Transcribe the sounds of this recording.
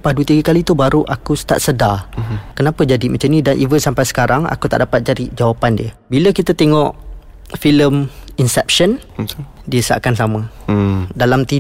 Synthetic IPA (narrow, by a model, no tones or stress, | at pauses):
padut̪iɡəkalit̪ubaɾuʔakust̪a̰ʔsədakənapəd͡ʒadimʔat͡ʃamnĩdanʔivənsampajsə̥kaɾaŋa̰kut̪a̰ʔdapat̪̚d͡ʒadid͡ʒawapandiəbiləkit̪at̪eŋɔʔ | filəminsɛp̚ʃən | diəsa̰ʔkansamə̃ | dalamt̪i